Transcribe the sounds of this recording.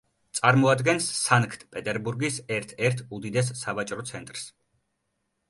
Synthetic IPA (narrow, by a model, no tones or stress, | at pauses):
t̪sʼaɾmɔad̪ɡɛnsːaŋkʰt̪ʰpʼɛt̪ʼɛɾbuɾɡisɛɾt̪ʰɛɾt̪ʰud̪id̪ɛs̬ːavat͡ʃʼɾɔt̪sʰɛnt̪ʼɾs